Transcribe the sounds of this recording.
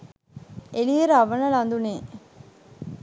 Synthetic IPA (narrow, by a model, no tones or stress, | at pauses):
elieɾaʋɐnɐlɐnd̪uneː